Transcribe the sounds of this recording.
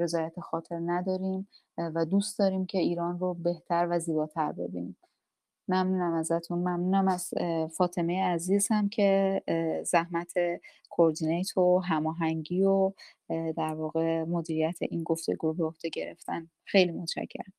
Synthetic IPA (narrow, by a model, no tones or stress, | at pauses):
e̞zɒːjæt̪ʰexɒːt̪ʰe̞ɾnæd̪ɒːɾim | væd̪ust̪d̪ɒːɾiːmcʰe̞iːɾɒːnrobe̞ht̪ʰæɾvæziːbɒːt̪ʰæɾbe̞̰bḭnim | mæmnuːnæmæzæt̪ʰunmæmnuːnæmæzfɒːt̪ʰe̞mejeæziːz̥hæmcʰe̞ | zæhmæt̪ʰe̞ | kʰoːɾd̪inejt̪ʰoɦæmɒːɦæŋɟiːo | d̪æɾvɒːɣe̞mo̞d̪iːɾijæt̪ʰe̞̰ʔinɡo̞ft̪e̞̰ɡuːbeohd̪̥e̞ɟe̞ɾḛft̪æn | xe̞jliːmo̞t̪ʃæ̰cʰːḛɾ